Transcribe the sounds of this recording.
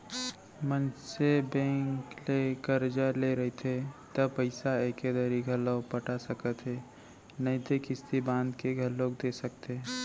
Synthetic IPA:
mənsebɛ̃ːŋklekəɾd͡ʒaleɾəɦit̪ʰet̪əbpəɪsaeːked̪əɾiɡʱəlːopəʈasəkət̪ɦeː | nəĩt̪ekɪst̪ibãːnd̪keɡʱəlːoːk̚d̪esək̚t̪eː

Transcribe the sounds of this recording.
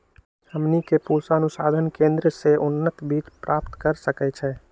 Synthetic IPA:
həmnikepusaənusad̪ʱənkẽnd̪ɾəseunːət̪biːt͡ʃpɾʔap̚t̪kəɾsəkɛt͡ʃʰɛ

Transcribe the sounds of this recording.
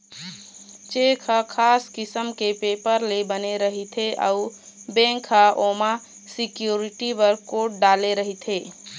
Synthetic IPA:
t͡ʃekʰakʰaskɪsəmkepepəɾlebəneɾəɦit̪ʰeʔa̰ubẽŋkʰaʔoma | sɪkjuɾiʈibəɾkoʈ̚ɖaleɾəɦit̪ʰe

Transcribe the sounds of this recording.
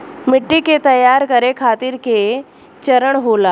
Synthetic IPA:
mɪʈːiket̪əjaɾkəɾekʰaːt̪iɾke | t͡ɕəɾəɳɦola

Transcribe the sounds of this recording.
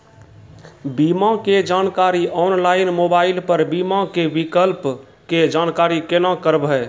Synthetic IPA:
bimãked͡ʒaːnkaːɾiʔɔːnlaːɪnmoːbaːɪlpəɾbimakebikəlp | ked͡ʒaːnkaːɾikenãkəɾbɛ

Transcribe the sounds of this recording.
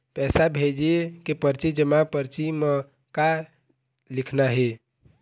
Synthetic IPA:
pɛsabʱed͡ʒiekepəɾt͡ʃid͡ʒəmapəɾt͡ʃime | ka | likʰnaɦe

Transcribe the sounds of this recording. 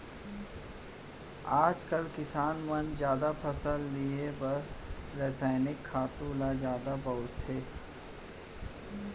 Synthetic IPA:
aːd͡ʒkəlkɪsaːnmɐnzjaːd̪apʰɐsəlːiebɐɾɾɛːsaːɪnɪkʰːaːt̪ũːlazjaːd̪abɐɦʊt̪ʰːeː

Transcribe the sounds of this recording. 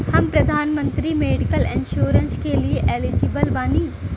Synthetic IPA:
hɐmpɾɐd̪ʱaːnmə̃nt̪ɾimeːɖɪkəlɪ̃nʃoːɾənskelieʔeːlɪd͡ʒɪbəlʋaːniː

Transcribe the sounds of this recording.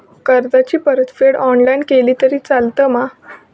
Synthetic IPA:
kəɾd̪at͡ɕiːpəɾət̪feɽɔnlajnkeliːt̪əɾiːt͡salt̪əːma

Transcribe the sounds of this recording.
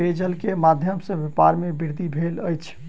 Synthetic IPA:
ed͡ʒəlkemad̪ʱjəmsə̃ʋjepaɾmebiɾd̪ʱibʱeləjt͡ʃʰ

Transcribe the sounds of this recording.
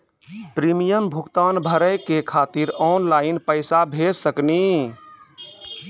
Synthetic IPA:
pɾimijəmbʱuɡt̪aːnbʱəɾəjkekʰaːt̪iɾɔːnlaːɪnpəɪsabʱed͡ʒsəkni

